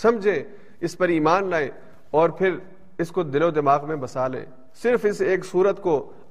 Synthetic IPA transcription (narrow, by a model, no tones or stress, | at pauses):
sɐmd͡ʒʱẽː | ɪspɐɾiːmaːnlaːe | ɔːɾpʰɪɾ | ɪskod̪ɪlod̪ɪmaːɣmẽbɐsaːlḛ̃ː | sɪɾfɪseːksuːɾət̪ko